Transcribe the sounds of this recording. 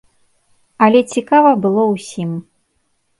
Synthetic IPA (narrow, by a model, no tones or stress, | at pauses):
ɐlʲɛt͡sʲikavɐbɨlˠɔwsʲim